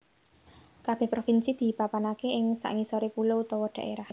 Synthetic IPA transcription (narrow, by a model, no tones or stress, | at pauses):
kab̥ɛ̤hpɾofinsid̪̥i̤papanakeɪŋsa̰ʔŋisɔɾepulout̪ɔwɔɖ̪̥a̤ʔeɾah